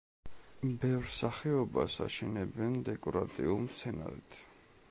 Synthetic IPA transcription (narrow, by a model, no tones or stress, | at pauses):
bɛvɾsaχɛɔbasa̰ʃɛnɛbɛnd̪ɛkʼɔɾat̪ʼiulˠmt̪sʰɛna̰ɾḭt̪ʰ